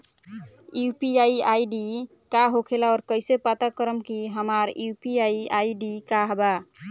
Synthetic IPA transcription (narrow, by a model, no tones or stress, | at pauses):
jupiaiaiɖi | kaɦokʰelaɔːɾkəjsepat̪akəɾəmkiɦəmaɾjupiaiaiɖikaɦba